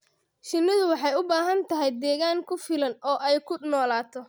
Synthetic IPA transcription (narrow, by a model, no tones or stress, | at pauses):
ʃɪnːɪðʊwɑħɑjʊbaːɦɐnt̪ʰɐɦɛjd̪ɛːɣaːŋkʰʊfɪlɐnɔːʔɛjkʰʊnɔːlaːt̪ʰɔ